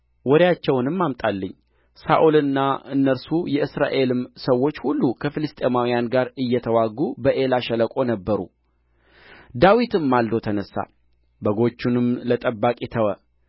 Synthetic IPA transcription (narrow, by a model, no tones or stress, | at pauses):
wɔɾjat͡ʃːɛwnɨmːamt̪ʼalːəɲː | sa̰ʔulɨnːaɨnːəɾsujɛɨsɾa̰ʔe̞lɨmsəwːo̞t͡ʃːhulːukʰəfɨlɨst̪ʼe̞mawijanɡaɾɨjːɛt̪ʰəwaɡubəʔe̞laʃɛləkʼo̞nəbːəɾṵ | d̪awit̪ɨmːald̪o̞t̪ʰənəsːa̰ | bəɡo̞t͡ʃːunɨmlət̪ʼəbːakʼit̪ʰəwə